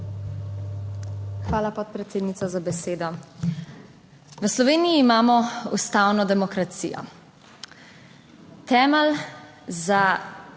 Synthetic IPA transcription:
xʋaːlapɔt̪̚pɾɛt̪seːd̪nit̪sɔzabɛseːd̪ɔ | ʋəslɔʋeːnijiːmaːmɔust̪aːwnɔd̪ɛmɔkɾat̪sḭjɔ̰ | t̪ɛːməl | za

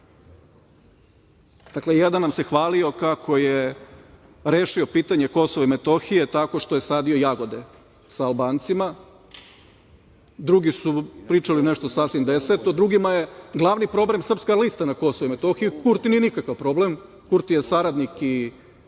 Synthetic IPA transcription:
d̪aklejed̪anːamse̞xʋaːlio̞kakʰo̞je | ɾeːʃio̞piːt̪aɲeko̞soʋaimet̪o̞xie̞t̪ako̞ʃt̪oje̞saːd̪io̞jaɡo̞d̪e̞ | saːlˠbaːnt̪sima | d̪ɾuɡisupɾiːt͡ʃalineʃt̪o̞sasʋimd̪eset̪od̪ɾuɡimajeɡlˠaʋnipɾo̞ble̞msr̩pskalist̪anakosoʋoimet̪o̞xijukuɾt̪inijenikakaʋpɾo̞blem | kuɾt̪ijesaɾad̪niki

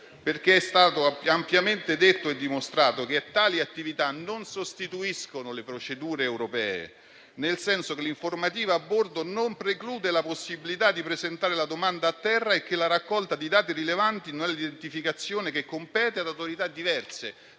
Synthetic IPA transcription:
perk̟eɛst̪aːt̪oampjament̪ed̪et̪ːoed̪ːimost̪ɾaːt̪ok̟eat̪ːaːliat̪ːivit̪anonsost̪it̪uiskonolepɾot͡ʃed̪uːɾeːwɾopɛːḛ | nelsɛnsokeliɱformat̪̬iːvaabːord̪onompɾekluːd̪elaposːibilit̪ad̪ːipɾezent̪aːɾelad̪omand̪aːt̪ːɛrːaek̟ːelaɾakːɔlt̪ad̪id̪aːt̪̬iɾilevant̪inonɛlːid̪ent̪ifikat̪sːjoːnek̟ekːompɛːt̪ead̪awt̪oɾit̪ad̪ːivɛrse

